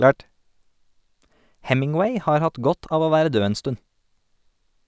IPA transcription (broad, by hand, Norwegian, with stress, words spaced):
ˈhɛmɪŋˌweɪ ˈhɑːɾ ˈhɑt ˈɡɔt ˈɑːʋ ˈoː ˈʋæːɾə ˈdøː ˈeːn ˈstʉn